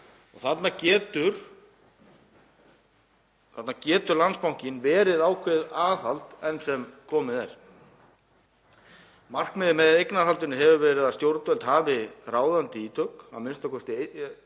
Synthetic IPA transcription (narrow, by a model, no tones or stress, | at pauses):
ɔ̰ɣθat̪nacɛːt̪ʏɾ̥ | θat̪nacɛːt̪ʏɾlanspawŋ̥cɪnvɛːɾɪðaːwkʰvɪðaːθalt̪ɛnsɛmkʰɔːmɪðɛ̰ɾ̥ | mar̥kmɪːðɪmɛðejknaɦalt̪ɪnʏɦɛvʏɾvɛːɾɪðast̪jowɾt̪vɛlt̪haːvɪraːwðant̪ɪiːt̪ʰœka̰wmɪnst̪akʰɔst̪ɪ